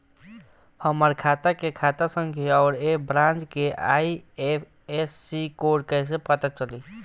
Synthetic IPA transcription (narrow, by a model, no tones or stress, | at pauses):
həməɾkʰat̪akekʰat̪asə̃ŋkiɔːɾebɾãnd͡ʒkeʔa̰iepʰ | esːikoɽkəs̬epət̪at͡ʃəli